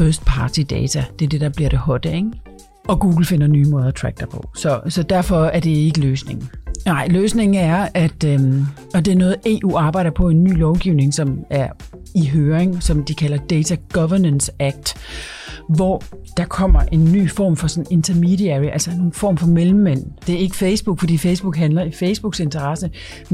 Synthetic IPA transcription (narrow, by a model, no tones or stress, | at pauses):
øsd̥̚pʰɑ̈ːt͡sʰid̥ɛ̰ːt͡sʰæd̥e̝æɐd̥e̝d̥ɑ̈b̥liɐɾ̥e̝hɒ̽d̥əeŋ | ɒ̽ɡ̥ṵːɡ̥l̩fe̝n̰ɐnyːmɔ̽ːð̞ˠɐt͡sʰʁæɡ̥̚d̥ɑpʰɒ̽sɒ̽sɒ̽d̥æɐfɒ̽æɐd̥e̝e̝ɡ̥əløːsne̝ŋn̩nɑ̈ɪ̰løːsne̝ŋn̩æɐæd̥ø | ɒ̽d̥e̝æɐnɔ̽ːð̩ˠe̝̰ːʔṵːɑ̈ːb̥ɑ̈ɪ̰ɾ̥ɐpʰɒ̽e̝nːy̰ːlɒʊɡ̥iʊne̝ŋsɒ̽mæɐ | iɦøːɐeŋsɒ̽md̥ikʰæl̰ɐd̥eɪt͡sʰæɡ̥ɒʋɐnənsæɡ̥̚d̥ | ʋɒd̥ɑ̈kʰɒ̽m̰ɐʔe̝nːy̰ːfɒ̰mfɒ̽sɒ̽ne̝nt͡sʰɐmidiæʁiʔælsɐnofɒ̰ːmfɒ̽melm̩ːen̰d̥e̝æɐe̝ɡ̥əfeɪsb̥uɡ̥fɒ̽dḭːfeɪsb̥uɡ̥ɦænlɐifeɪsb̥uɡ̥se̝nt͡sʰɐʁɑsə